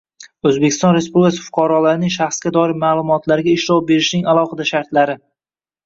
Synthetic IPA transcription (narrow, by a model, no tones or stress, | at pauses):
ɵzbekʲʰɪ̥st̪ɒnɾe̞spublʲɪkʰasɪ̥fʊ̥qʰɑɾɒlaɾɪnɪŋʃaχsɡʲad̪ɒɪɾmaːlˠʊmɒt̪ʰlaɾɪɡʲaɪʃɾɒwbe̞ɾɪʃnɪŋalˠɒχɨd̪aʃaɾt̪laɾɪ